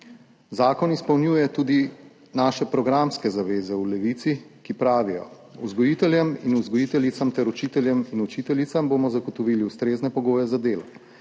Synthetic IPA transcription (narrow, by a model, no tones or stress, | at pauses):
zaːkɔnispɐwnjuːjɛt̪uːd̪i | naːʃɛpɾɔɡɾamskɛzaʋeːzɛulɛʋit̪sikipɾaːʋijɔ̰ | uzɡɔjit̪ɛljɛminuzɡɔjit̪ɛlit̪samt̪ɛɾut͡ʃit̪ɛljɛminut͡ʃiːt̪ɛlit̪samboːmɔzaɡɔt̪ɔʋiːliust̪ɾeːznɛpɔɡoːjɛzad̪eːlɔ